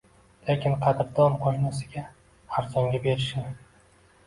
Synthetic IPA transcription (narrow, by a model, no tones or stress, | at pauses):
lekʲɪnqʰɑd̪ɪɾd̪ɒnqʰoʃnasɪɡʲa | aɾzɒŋɡʲabe̞ɾɪʃnɪ